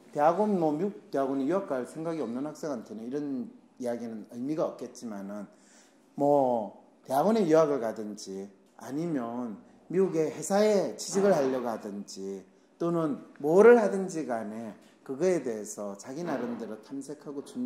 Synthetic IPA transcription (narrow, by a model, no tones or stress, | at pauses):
teaɡonmʌmiuk̚t͈eaɡonejuak̚k͈aɭsʰe̞ŋɡaɡiʌmnɯnhak̚s͈e̞ŋantʰeneiɾʌn | ijaɡinɯnɯɭmiɡaʌk̚k͈e̞t̚t͡ɕ͈imanɯn | mʌ | te̞aɡone̞juaɡɯɭkadɯnd͡ʑi | a̰ɲimjʌn | miuɡe̞he̞sʰaet͡ɕʰid͡ʑʰiɡɯɭhaʎːʌɡhadɯnd͡ʑi | t͈onɯnmoɾɯɭhadɯnd͡ʑiɡane̞ | kɯɡʌe̞de̞esʰʌt͡ɕaɡinaɾɯmdɯɾɯtʰamsʰe̞kʰaɡot͡ɕu